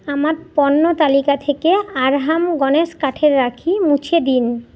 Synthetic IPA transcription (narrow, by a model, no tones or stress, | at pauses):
amaɾpɔnːot̪alikat̪ʰekeaɾɦamɡɔneʃkaʈʰeɾːakʰimut͡ɕʰed̪in